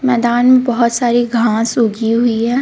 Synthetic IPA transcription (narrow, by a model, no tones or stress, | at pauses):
mɛːd̪aːnmẽbɐɦʊt̪saːɾiɡʱãːsuːɡiɦʊiɦɛː